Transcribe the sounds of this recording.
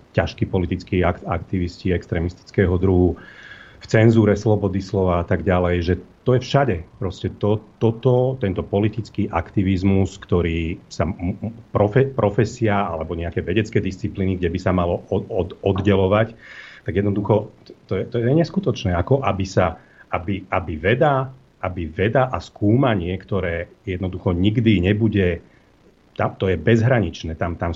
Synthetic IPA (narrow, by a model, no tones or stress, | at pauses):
caʃkiːpɔlit̪it͡skiːaka̰kt̪iʋisciɛkst̪ɾɛmist̪i̥t͡skɛɦɔd̪ɾuɦu | ft͡sɛnzuːɾɛslɔbɔd̪islɔʋaat̪aɡɟalɛjʒɛt̪ɔjɛfʃaɟɛpɾɔscɛt̪ɔt̪ɔt̪ɔt̪ɛnt̪ɔpɔlit̪it͡skiːʔakt̪iʋizmuskt̪ɔɾiːsampɾɔfɛpɾɔfɛsiaalɛbɔɲɛakɛːʋɛɟɛt͡skɛːd̪ist͡sipliːniɡɟɛbisamalɔɔɔɔd̪ɟɛlɔʋact̪aɡjɛd̪nɔd̪uxɔt̪ɔjɛt̪ɔjɛɛɲɛskut̪ɔt͡ʃnɛːakɔʔabisa | abiabiʋɛd̪a | ʔabiʋɛd̪aʔaskuːmaɲɪɛkt̪ɔɾɛːjɛd̪nɔd̪uxɔɲiɡd̪iɲɛbuɟɛ | t̪amt̪ɔjɛbɛzɦɾaɲit͡ʃnɛːt̪amt̪am